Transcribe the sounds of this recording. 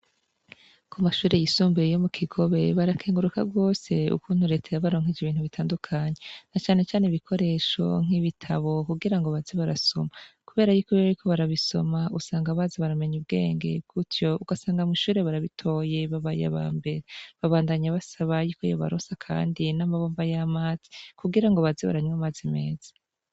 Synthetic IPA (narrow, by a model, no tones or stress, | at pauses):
kumaʃuːɾe̞jisuːmbejo̞mukʰiɡo̞βe̞βaɾakʰeːŋɡuɾukaɡo̞ːse̞ṵkuːn̥huɾe̞ːtʰajaβaɾo̞ːŋ̥id͡ʒeβiːnhuβitʰaːndukʰaɲe̞nat͡ʃaːne̞t͡ʃaːneβikʰo̞ɾe̞ːʃo̞̰ŋ̥iβitʰaβo̞kuɡiɾaŋɡoβaziβaɾaso̞̰makuβe̞ːɾajukuβiβaɾikʰo̞βaɾaβiso̞̰mausaːŋɡaβaːziβaɾame̞ɲubɡe̞̰ːŋɡe̞̰bɡ̥utjo̞uɡasaːŋɡamiʃuːɾe̞βaɾaβitʰo̞ːje̞βaβaja̰βa̰ːmbe̞ɾeβaβaːndaɲaβasaβajikʰojo̰βa̰ɾoːsakʰa̰ːndinamaβoːmvajamaːz̥i̥kuɡiɾaŋɡo̞βaziβa̰ɾaɲwamazime̞̰ːz̥ḁ